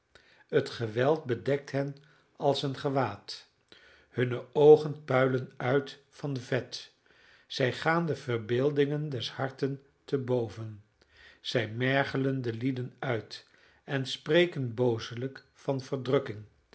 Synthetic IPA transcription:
ətχəʋɛlˠt̚bədɛk̚tɦɛn | ɑlˠsənχəʋaːt | hɵnəowχənpœɥlənœɥt | fɑnvɛt | z̥ɛjχaːndəv̥əɹbɪːlˠdɪŋəndɛshɑɹtən | təbowvən | z̥ɛjmɛɹχələndəlidənœɥt | ɛnsprejkənbowzələk | fɑnv̥əɹdrɵkɪŋ

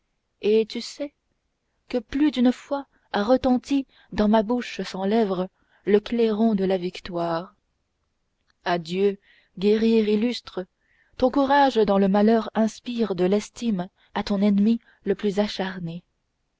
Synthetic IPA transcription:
et̪ysɛ | kəplyd̪ynfwa | aʁət̪ɑ̃t̪i | d̪ɑ̃mabuʃsɑ̃lɛvʁə | ləkleʁɔ̃d̪əlavikt̪waːʁ | ad̪jø | ɡʲeʁiʁilyst̪χə | t̪ɔ̃kuʁaʒd̪ɑ̃ləmalœʁɛ̃spiʁd̪əlɛst̪im | at̪ɔ̃nɛnmi | ləplyzaʃaʁne

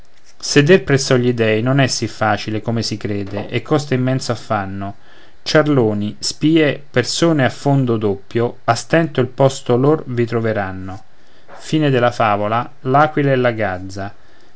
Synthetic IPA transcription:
sed̪erpɾɛsːɔʎːid̪ɛjnonɛsːifːaːt͡ʃilekomesikɾeːd̪eʔekʰːɔst̪eimːɛnt̪soafːanːo | t͡ʃarloːnispiːepersoːneafːond̪od̪opːjo | ast̪ɛnt̪oilpɔst̪oloːrvit̪ɾoveɾanːo | fiːned̪elafaːvola | laːkwileɛlːaɡad̪zːa

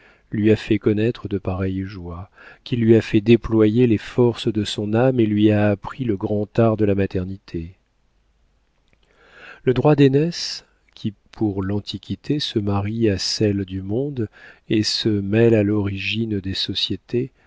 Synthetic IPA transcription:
lɥiafɛkɔnɛt̪χəd̪əpaʁɛjʒwa | kʲilɥiafɛd̪eplwajelefɔʁsd̪əsɔ̃namelɥiaːpχiləɡʁɑ̃t̪aʁd̪əlamat̪ɛʁnit̪ʰe | ləd̪ʁwad̪enɛs | kʲʰipʰuʁlɑ̃t̪ʰikʲʰit̪ʰesəmaʁiasɛld̪ymɔ̃d̪esəmɛlalɔʁiʒind̪esɔsjet̪e

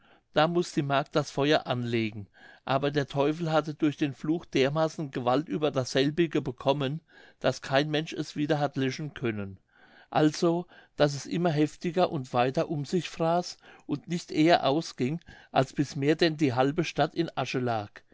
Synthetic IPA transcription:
d̥aːmʊsd̥iːmaɐk̚t̚d̥asfɔʏɐʔanleːɡŋ̩ʔaːbɐdeːɐtʰɔʏfl̩ɦatədʊɐçd̥eːnfluːxd̥eːɐmaːsn̩ɡəvaltʔyːbɐdasz̥ɛlbɪɡəbəkʰɔmən | d̥askʰaɪnmɛnʃɛ̰sv̥iːdɐɦatlœʃn̩kʰœnən | ʔalz̥od̥as̬ɛsʔɪmɐɦɛftɪɡɐʔʊntv̥aɪtɐʔʊmzɪçfʁ̥aːsʔʊntnɪçtʔeːɐʔaʊsɡ̥ɪŋʔa̰lsb̥ɪsmeːɐdɛndiːɦalbəʃtatʰɪnʔaʃəlaːk

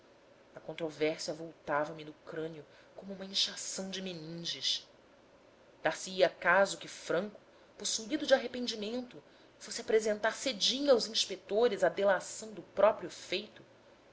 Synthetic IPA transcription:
ɐkõnt̪ɾovɛɾsiɐvowt̪avɐmɪnʊkɾɐ̃niʊ | kõmʊũmɐĩʃasɐ̃w̃d͡ʒɪmenĩd͡ʒɪʃ | d̪̥aɾsɪiakazʊkɪfɾɐ̃ŋkʊ̥ | posuid̪ʊd͡ʒaɦepẽnd͡ʒimẽnt̪ʊ | fosɪapɾezẽnt̪aɾsed͡ʒĩɲawzĩʃpek̚t̪oɾɪzɐd̪elasɐ̃w̃d̪ʊpɾɔpɾjʊfejt̪ʊ

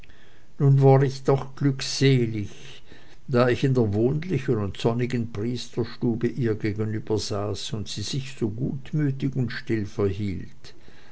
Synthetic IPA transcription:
nuːnvaːʁɪçd̥ɔχɡ̥lykseːlɪç | d̥aːɪçɪndeːɐvoːnlɪçənʊntz̥ɔnɪɡənpʁ̥iːstɐʃtuːbəʔiːɐɡeːɡənyːb̥ɐz̥aːsʊntsiːz̥ɪçz̥oːɡṵːtmyːtɪçʊntʃtɪlfɛɐɦiːlt

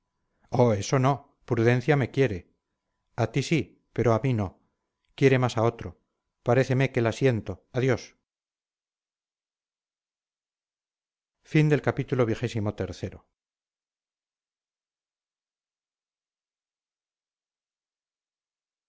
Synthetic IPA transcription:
oe̞so̞no̞ | pɾuðẽ̞n̟θjame̞kje̞ɾe̞ | at̪isi | pe̞ɾo̞amino̞ | kje̞ɾe̞masao̞t̪ɾo | paɾe̞θeme̞ke̞lasje̞nt̪o̞aðjo̞s | find̪e̞lkapit̪ulo̞β̞jixe̞simo̞t̪e̞ɾθe̞ɾo̞̰

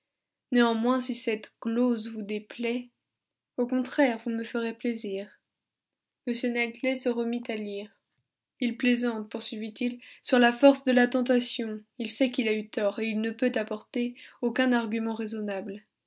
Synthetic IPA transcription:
neɑ̃mwɛ̃sisɛt̪ɡlozvud̪eplɛ | okɔ̃t̪χɛʁvuməfəʁepleziːʁ | məsjønat̪lɛsəʁəmit̪aliʁ | ilplezɑ̃t̪̚puʁsɥivit̪ilsyʁlafɔʁsd̪əlat̪ɑ̃t̪asjɔ̃ilsɛkilayt̪ɔʁeilnəpøt̪apɔʁt̪eokʲɛ̃naʁɡʲymɑ̃ʁezɔnabl

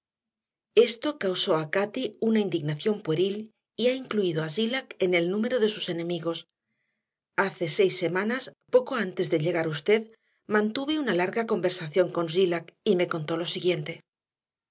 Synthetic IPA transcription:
e̞st̪o̞kawso̞akat̪iunaind̪iɣnaθjo̞mpweɾil | iaiŋkluiðoasilake̞ne̞lnũme̞ɾo̞ðe̞suse̞nẽ̞miɣo̞s | aθe̞se̞jsːe̞mãnaspo̞ko̞ant̪e̞zðeʎe̞ɣ̞aɾust̪e̞ð | mãnt̪uβeunalaɾɣako̞mbe̞ɾsaθjo̞ŋko̞nzilakime̞ko̞nt̪o̞lo̞siɣje̞nt̪e̞

